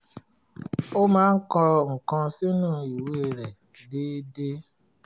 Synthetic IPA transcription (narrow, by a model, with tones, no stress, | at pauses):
o˦mãː˦n̩˦kɔ˧ŋ̩˨kã˧si˦nũ˦˨i˨wu˦e˧˨ɾɛ˨ | deː˦de˦